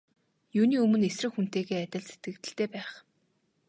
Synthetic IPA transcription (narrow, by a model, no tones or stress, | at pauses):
juːniːɵmɵ̆nesrɘ̆xun̥t̪eːɣeːæt̪ʲɪ̆ɮse̥t̪̚ɡɘ̆kt̪ɘ̆ɬt̪eːpæːχ